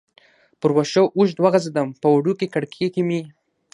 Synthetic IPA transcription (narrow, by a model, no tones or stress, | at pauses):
pʊɾwaʃoʔuʃ̬d̪waɣazed̪ampəwaɽukekaɽkʰekimi